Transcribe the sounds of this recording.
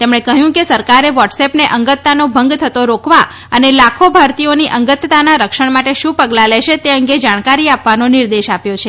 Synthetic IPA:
t̪emɳ̃ekəɦjũkesəɾkaɾeʋɔʈsepneʔəŋɡət̪ːanobʱəŋɡt̪ʰət̪oɾokʰʋa | ənelakʰobʱaɾt̪ioniʔəŋɡət̪t̪anaɾəkʃəɳ̃maʈeʃũpəɡlaleʃet̪eəŋɡed͡ʒaɽ̃kaɾiapʋanonɪɾd̪eʃapjot͡ʃʰe

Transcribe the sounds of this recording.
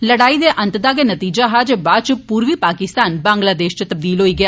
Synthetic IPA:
ləɽaːid̪eːʔɐ̃nt̪d̪aːɡenət̪iːd͡ʒaɦad͡ʒəbaːt͡ʃpuːɾʋiːpaːkɪst̪aːnbãːŋɡlaːd̪eːʃt͡ʃt̪əb̚d̪iːlɦoːiːɡɪjaː

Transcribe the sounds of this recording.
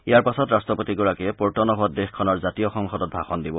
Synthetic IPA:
ijaɹpasɔtɹastɹɔpotiɡɔɹakɛɛpɔɹtɔnɔɦɔtdexkʰːɔnɔɹzatijɔxɔŋxɔdɔt̚bʱaxɔndibɔ

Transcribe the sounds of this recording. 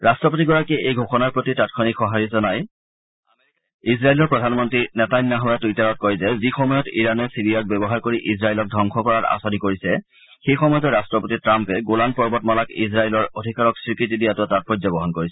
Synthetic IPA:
ɹastɹɔp̬otiɡɔɹakɛejɡʱoxɔnaɹpɹotitatkʰɔnixɔɦaɹizɔnaj | isɹailɔɹpɹɔdʱanmɔntɹinɛtajnːaɦɔjatujtaɹɔt̚kɔɹizɛzixɔmɔjɔtiɹanɛsiɹiak̚bɛbɔɦaɹkoɹiʔiz̬ɹailɔk̚dʱɔŋxʰɔkɔɹaɹa̰sɔnikoɹisɛ | xejxɔmɔjɔtɔɹastɹɔpotitɹampɛɡolanpɔɹbɔtmɔlakiz̬ɹailɔɹodʱikaɹɔksɹikɹit̬idijatɔtat̚pɔzabɔɦɔnkoɹisɛ

